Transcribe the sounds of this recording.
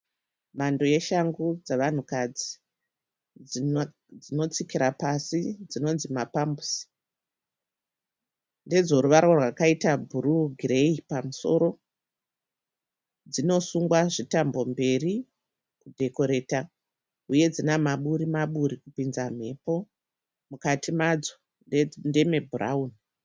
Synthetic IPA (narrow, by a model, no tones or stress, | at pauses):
mando̞je̞ʃaŋɡud͡zaʋan̤ukad͡zi | ino̞t͡sikiɾapasid͡zino̞nzimapambusi̥ | nde̞d͡zo̞ɾuʋarwarwakaitabʱuɾuɡʱireipamuso̞̰ɾo̞ | d͡zino̞suŋɡwaʐitambo̞mbe̞ri | kudʱe̞ko̞ɾe̞ːta | uje̞d͡zinamaɓuɾimaɓuɾikupinzam̤e̞po̞ | mukatʰimad͡zo | nde̞me̞bʱura̰uːni